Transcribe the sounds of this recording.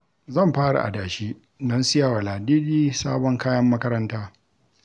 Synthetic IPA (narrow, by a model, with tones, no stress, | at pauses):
zɐ˦˨mɸaː˦ɽa̰˨ʔa̰˨daː˨ʃiː˦ | dɐ˦nsɪ˦ja˨wa˨laː˨diː˦diː˦saː˦bɔ˦ŋkaː˦jɐ˦mːɐ˦kɐ˦ɾɐ˦ntaː˦